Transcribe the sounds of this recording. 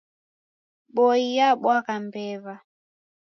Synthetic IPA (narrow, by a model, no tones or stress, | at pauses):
ɓɔijaɓwakambɛva